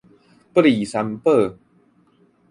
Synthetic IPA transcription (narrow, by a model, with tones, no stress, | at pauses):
pɾiː˨˩sa˧˦˥mpɤː˥˩